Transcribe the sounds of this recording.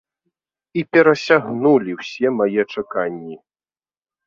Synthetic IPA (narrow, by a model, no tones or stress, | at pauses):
ipʲɛɾɐsʲaɣnulʲiwsʲɛmajɛt͡ʂakanʲːi